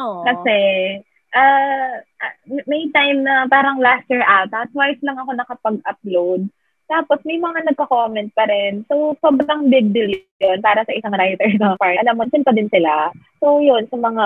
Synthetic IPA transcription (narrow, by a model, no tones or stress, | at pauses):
kɐsɛ | ʔaːʔmɛjt̪ajmnɐpaːɾɐŋlast̪jiɹʔawt̪ɐt̪ːwajslɐŋɐko̞nɐkɐpɐɡ̚ʔɐp̚lowd̪̚ | t̪aːpo̞smɐjmɐŋanɐɡ̚kɐkomɛnt̪̚pɐɾɛnsowsoːbɾɐŋbɪɡ̚d̪ɪl | onpaːɾɐsɐʔɪsaŋɾajt̪ɛɹnɐɐpaɹɐlamont͡ʃʊnp̪ɐd̪ɪnsɪlasowjonsɐmɐŋa